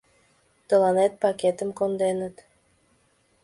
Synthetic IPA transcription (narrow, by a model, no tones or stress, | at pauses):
t̪ə̆lɑnet̪̚pɑket̪əmkond̪enət̪